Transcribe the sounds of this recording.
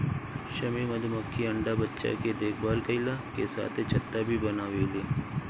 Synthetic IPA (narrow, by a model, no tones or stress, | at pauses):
ʃɐmimɐd̪ʱməkʰːiɐ̃ɳɖabɐtːʃa̰ked̪eːkʰbaːɾkɐɪlakesa̰ːt̪ʰet͡ʃʰɐt̪ːabʱibɐnaːʋeːleː